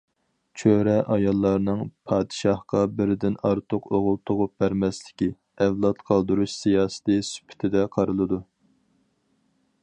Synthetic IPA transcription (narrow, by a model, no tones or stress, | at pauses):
t͡ʃʰøɾɛʔɑjɑlˠːɑɾnɨŋpʰɑːd̪ɨʃɑhqɑbɪɾɪd̪ɪnɑɾt̪ʰʊqoʁʊlˠt̪ʰʊʁʊp̚bæɾmɛslɪ̥kʲi | ɛvlˠɑt̪qʰɑlˠd̪uɾuʃsijɑːsɨ̥t̪ɨsy̥pʰɪ̥t̪ʰɪd̪ɛqʰɑɾɨlˠɨd̪u